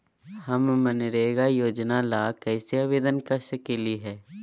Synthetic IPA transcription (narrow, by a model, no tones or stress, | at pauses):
hɐmmənɾeːɡajoːd͡ʒnalaːkɛːseɐʋeːd̪ənkaʃəkeliɦɛː